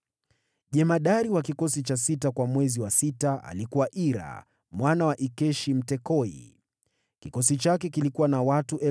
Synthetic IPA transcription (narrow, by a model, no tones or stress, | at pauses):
ʄɛmaɗaɾiwakikɔsit͡ʃasitakwamwɛziwasitaa̰likuwaʔiɾa̰ | mwanawaʔikɛʃim̩tɛkɔḭ | kikɔsit͡ʃakɛkilikuwanawatuʔɛ